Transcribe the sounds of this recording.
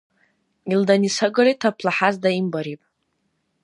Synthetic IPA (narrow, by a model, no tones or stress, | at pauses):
ildanisaɡɨritʰapʰlaħazdaimbaɾipʼ